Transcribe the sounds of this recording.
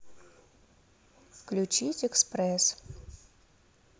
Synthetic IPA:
fklʲut͡ɕitʲɛkspɾɛs

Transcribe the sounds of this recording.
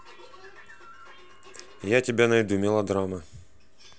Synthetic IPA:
jatʲɪbʲanɐjd̪umʲɪlˠɐd̪ɾamɐ

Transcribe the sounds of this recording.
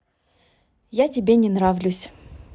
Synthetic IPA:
jatʲɪbʲenʲɪnɾavlʲʊsʲ

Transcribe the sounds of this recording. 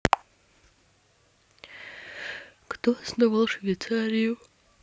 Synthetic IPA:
kt̪oasnovalˠʂvʲejt͡saɾʲiju

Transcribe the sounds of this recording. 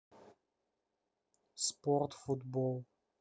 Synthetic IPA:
spɔrtfutbɔlˠ

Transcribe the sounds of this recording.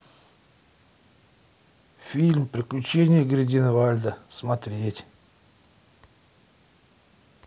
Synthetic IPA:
fʲilʲmpɾʲɪklʲʉt͡ɕenʲɪjəɡɾʲɪdʲinɨvalʲd̪əsmɐt̪ɾʲetʲ

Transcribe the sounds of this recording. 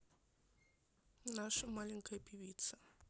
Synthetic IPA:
naʂʊmalɪŋ̩kʼapʼiβiːt͡sʰa

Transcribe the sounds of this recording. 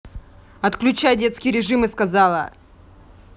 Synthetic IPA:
ɐt̪klʲʉt͡ɕajdʲet̪skʲɪjɾʲɪʐɨmɨskɐzɑlˠə̰

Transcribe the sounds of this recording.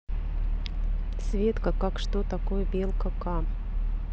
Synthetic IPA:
svʲet̪kəkakʂt̪ot̪akojəbʲelˠkəka

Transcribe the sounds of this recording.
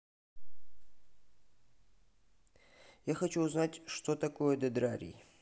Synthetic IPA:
jaxɐt͡ʃuːznatʲʂt̪ot̪ɐkojəd̪ɐd̪ɾaɾʲḭ

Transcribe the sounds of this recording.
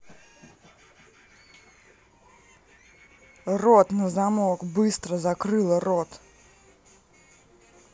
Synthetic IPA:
rɔt̪nɐzamɔɡbɨst̪ɾɐzɐkɾɨlˠɐrɔt̪

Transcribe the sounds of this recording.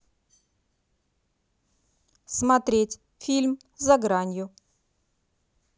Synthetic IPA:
smɐt̪ɾʲetʲ | fʲilʲm | zɐɡɾanʲjʊ

